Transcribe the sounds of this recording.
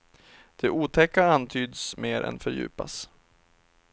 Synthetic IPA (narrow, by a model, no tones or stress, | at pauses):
d̪̥ɛʔuːt̪ʰɛkːaant̪ʰyːd̪smeːɾʔɛ̰nfœɾjʉ̟̰ːpa̰s